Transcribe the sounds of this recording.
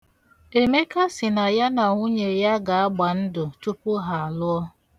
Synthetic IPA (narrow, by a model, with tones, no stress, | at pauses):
e˨me˦ka˦sɪ˨na˨ja˦na˨ŋu˦ɲe˨ja˦ɡa˨a˦ɡ͡ba˨n̩˦dʊ˨tu˦pʊ˦ɦa˨a˨lʊ˦ɔ˦